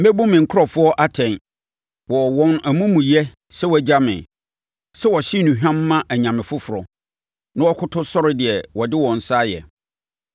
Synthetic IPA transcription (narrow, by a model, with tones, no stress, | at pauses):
m̩˦be˦bũ˦mɪ̃˨ŋ̩˨kʰʊ˦ɾɔ˨fʊ˦ɔ˦ʔa˦tʰɛ̃˨n | wɔ˨wɔ̃˦næ˨mũ˦mũ˨jɛ˦ | sɛ˦wd͡ʑa˦mɪ̰̃˨ | sɛ˦wɔ˨ɕi˦nũ˨ɦᶣã˦mː˦ã˦ʔæ˨ɲã˨mɪ̃˨fʊ˦fʊ˨ɾɔ˨ | nã˦wɔ˦kʰʊ˦tʰʊ˦sɔ˦ɾɪ˦dɪ˨ɛ˨wɔ˨dɪ˦wɔ̃˨n̩˨saː˦jɛ̰˨